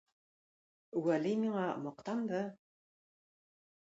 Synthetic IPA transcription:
wælimʲiɴɑmɤ̆qt̪ɑmd̪ɤ

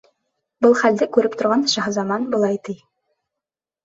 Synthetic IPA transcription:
bɤlˠχæld̪ɘkʉɾɘpt̪ŏɾʁɑnʃɑɦɤzɑmɑnbɤ̆lˠɑjt̪ij

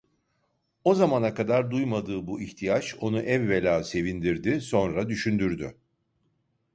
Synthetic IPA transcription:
o̞zamanakad̪aɾd̪ujmad̪ɯːbuʔiçt̪ʰijat͡ʃo̞nuʔɛvːelʲaːse̞vind̪iɾd̪iso̞nɾad̪yʃynd̪yɾd̪y

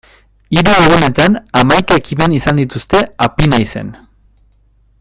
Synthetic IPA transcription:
iɾueɣune̞t̪anamajkae̞kime̞nisand̪it̪ust̪e̞apinajse̞̰n

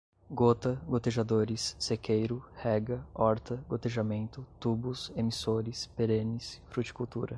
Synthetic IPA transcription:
ɡot̪ɐɡot̪eʒad̪oɾɪsːekʰejɾʊhɛɡɐɔɾt̪ɐɡot̪eʒamẽnt̪ʊt̪ubʊsemisoɾɪspeɾẽnɪsfɾut͡ʃi̥kuwt̪uɾɐ

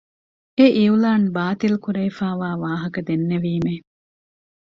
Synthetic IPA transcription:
eʔiulaːnbaːt̪ilkuɾeːfaːʋaːʋaːɦɐkɐd̪enːeʋiːme

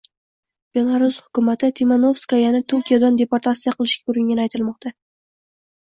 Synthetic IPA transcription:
b̥e̞lˠaɾʊshʊkʊmat̪ʰɪt̪ʰimanofskajanɪt̪ʰʊɾkʲijad̪and̪e̞paɾt̪ʰat̪sijaqɨlˠɪʃkʲaʊɾɪŋɡʲanajt̪ʰɪlmɒq̚t̪ʰa

